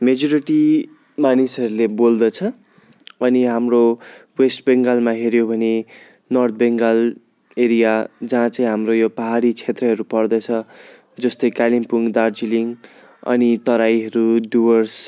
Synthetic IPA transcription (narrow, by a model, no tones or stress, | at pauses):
med͡zʌɾiʈi | manisʌɾulebold̪ʌt͡sʰʌ | ʌniɦamrowesʈbeŋɡalmaɦeɾjobʱʌne | nʌrt̪̚ʰbeŋɡal | eɾijad͡zʌɦãt͡saĩɦamrojopʌɦaɽit͡sʰet̪rʌɦʌɾupʌrd̪ʌt͡sʰʌ | d͡zʌst̪ʌjkalimpuŋɡd̪ard͡ziliŋ | ʌ̰nit̪ʌɾajɦʌɾuɖuwʌrs